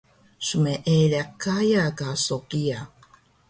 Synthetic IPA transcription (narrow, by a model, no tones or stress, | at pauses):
sumeʔelekajakasokia